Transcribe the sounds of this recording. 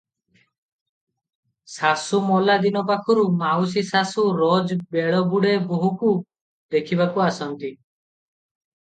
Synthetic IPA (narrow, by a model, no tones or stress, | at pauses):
sasumɔlad̪inɔp̬akʰɔɾumaws̬isasuɾɔd͡ʒbeɭɔbuɽeboɦuku | d̪ekʰibakuasɔnt̪i